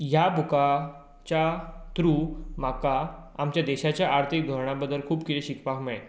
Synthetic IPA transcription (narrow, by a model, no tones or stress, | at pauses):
jabʱuka | t͡ɕat̪ɾuːmakaːmt͡ɕjad̪eɕat͡ɕjaʔaɾt̪ʰik̚d̪ʱoɾɳ̃abəd̪əlkʰuːbkit̪eɕikpakmae